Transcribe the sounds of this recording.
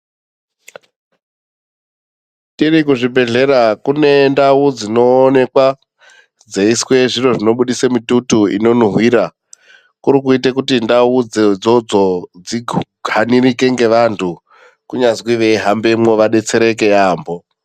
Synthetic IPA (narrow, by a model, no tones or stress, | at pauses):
tirikuʐibʱe̞ɮe̞ɾakune̞ndaud͡zino̞ːne̞kwa | d͡ze̞iswe̞ʐiro̞ʐino̞ɓuɗisemitutuḭno̞nuɦwiɾa | kuɾikuitekutindaud͡zed͡zod͡zo̞d͡ziɡʱanirike̞ŋɡe̞ʋantʰu | kuɲazwiʋeɦambemŋo̞ʋaɗe̞t͡se̞ɾe̞k̬e̞jaːmbo̞